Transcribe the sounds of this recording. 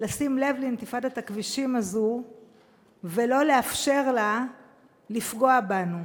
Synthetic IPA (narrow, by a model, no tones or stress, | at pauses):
lasimle̞vlint̪ifadat̪akviʃimazu | velo̞leafʃe̞ʁla | lifɡo̞abanu